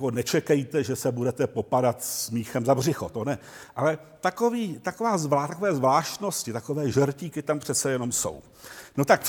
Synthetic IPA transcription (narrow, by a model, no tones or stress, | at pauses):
konɛt͡ʃɛkɛjt̪ɛʒɛsɛbudɛt̪ɛpo̞padat̪smiːxɛmzabr̝ɪxot̪o̞nɛʔalɛ | t̪akoviːt̪akovaːzvat̪akoɛːzvlaːʃt̪no̞scɪt̪akovɛːʒɛɾciːkɪt̪ampr̥ɛt͡sɛjɛno̞mso̞̰w | no̞t̪ak